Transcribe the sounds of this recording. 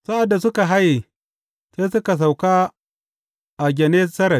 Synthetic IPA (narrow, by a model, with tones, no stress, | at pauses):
sa˦ʔa˨dːa˨sʊ˦ka˨ɦa˦ji˨ | seː˦sʊ˦ka˨s̬a˨wkaː˦ | ʔa˨ɡʲɛ˨neː˦sɐ˦ɾɐ˨